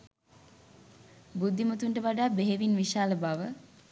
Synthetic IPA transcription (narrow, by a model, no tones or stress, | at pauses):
bud̪ːimut̪uɳʈəʋaɖaːbeɦeʋinʋiʃaːləbaʋə